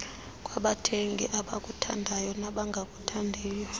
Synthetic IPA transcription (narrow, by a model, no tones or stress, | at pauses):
kʼwaɓatʰeŋɡʱḭʔaɓakʼutʰa̰ndʱajɔnaɓaŋɡʱakʼutʰandʱiːjɔ